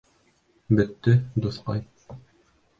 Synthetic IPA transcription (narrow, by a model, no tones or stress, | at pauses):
bɘ̆t̪ːɘd̪ŭθqɑ̰j